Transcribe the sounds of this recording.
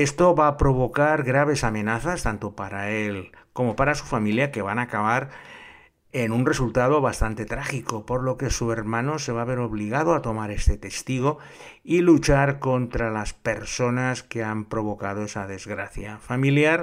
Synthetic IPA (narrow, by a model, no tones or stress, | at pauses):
e̞st̪o̞βapɾo̞β̞o̞kaɾɣɾaβe̞samẽ̞naθast̪ant̪o̞paɾael | ko̞mo̞paɾasufamiljake̞βanaːkaβaɾ | enunre̞sult̪að̞o̞βast̪ant̪e̞t̪ɾaxiko̞po̞ɾlo̞ke̞sue̞ɾmãno̞se̞βaβe̞ɾo̞β̞liɣ̞aðoat̪o̞maɾe̞st̪e̞t̪e̞st̪iɣ̞o̞ | ilut͡ʃaɾko̞nt̪ɾalaspe̞ɾso̞naske̞ampɾo̞β̞o̞kaðo̞e̞saðe̞zɣɾaθjafamiljaɾ